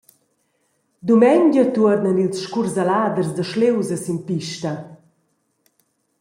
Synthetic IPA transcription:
d̪umɛɲɟət̪uəɾnənilsʃkurzalaːd̪ərzd̪əʃlewzəsinpiʃtɐ

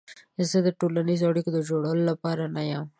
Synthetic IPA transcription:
ɪsed̪əʈolanizoɑɽikod̪əd͡ʒoɽɐwəlolapɑɾanajãm

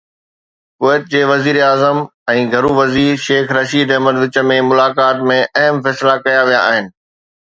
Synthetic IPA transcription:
kʊʋɛːt̪̚d͡ʑeːʋɐziːɾaːzəmɛ̃ːɡʱɐɾuʋɐziːɾʃeːkɾɐʃiːd̪ɐɦməd̪ʋɪt͡ɕə̆mẽmʊlaːkaːt̪mẽʔɐɦəmfɛːslakɐjaʋija̰ːɦɪnɪ̆

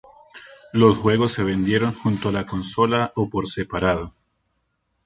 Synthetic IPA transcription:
lo̞sxwe̞ɣo̞sːe̞β̞e̞nd̪je̞ɾo̞ŋxunt̪oalako̞nso̞laʔopoɾsepaɾaðo

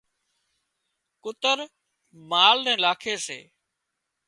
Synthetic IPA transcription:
kʊt̪əɾ | maːlnɛ̃ːɪlaːkʰeːsḛː

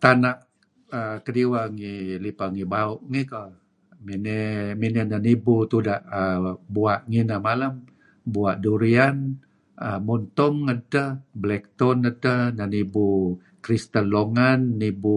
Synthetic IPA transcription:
t̪anaʔ | əkədiwaŋilipaŋibaʊʔŋikə | minɛminənanibut̪udaʔəbuaʔŋinamalam | buaʔduɾian | əmɔnt̪ɔŋːədəblɛk̚t̪ɔnədənanibu | kɾist̪ənloŋanːibu

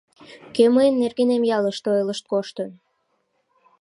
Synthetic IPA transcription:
køməjənːerɣenemjɑləʃt̪ojləʃt̪̚koʃt̪ən

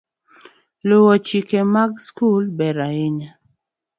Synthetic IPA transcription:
lowɔt͡ʃikemaɡskulbɛɾaɪɲa

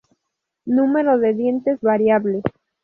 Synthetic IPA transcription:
nume̞ɾoðeðje̞nt̪ezβaɾjaβle

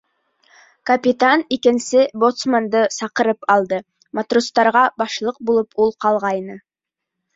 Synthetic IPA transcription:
kɐpʲit̪anikɪnsɪbot̪smand̪əsɑqəɾɤpɑlˠd̪ɤ | mat̪rust̪ɑɾʁɑbɑʃlˠɤq̚bulˠəpʰulˠqɑlˠʁɑjnə

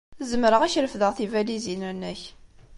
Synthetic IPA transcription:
zəmɾəʁæçɾəfðəʁθivælizinænːæç

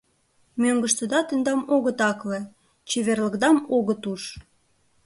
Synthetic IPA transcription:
møŋɡə̆ʃt̪ə̆d̪ɑt̪ə̆nd̪ɑmoɣə̆t̪ɑklĕ | t͡ɕeβerlə̆kd̪ɑmoɣət̪uʃ

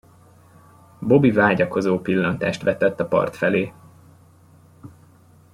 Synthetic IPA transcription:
bo̞bivaːɟɒko̞zoːpilːɒnt̪a̰ːʃt̪ʋɛt̪ɛt̪ːɒpɒ̰rt̪fɛleː

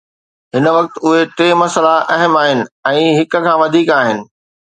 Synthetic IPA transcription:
ɦɪnə̆ʋɐk̚t̪ʊɦet̪eːmɐsəlaʔɐɦəmaːɦɪnɪ̆ɛ̃ːɦɪkə̆kʰãːʋɐd̪ʱiːkaːɦɪnɪ̆

